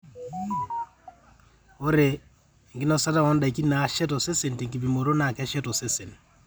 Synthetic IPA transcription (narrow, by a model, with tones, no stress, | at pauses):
o˦ɾe˨ | ŋɡɪ˦nɔ˦sa˦ta˦wɔ˦nda˨i˨ki˦na˨˦ʃɛ˦to˨se˦se˨nti˨ŋki˨p̬i˨mo˨ɾo˦na˨kɛ˦ʃɛ˦to˨se˦se˨n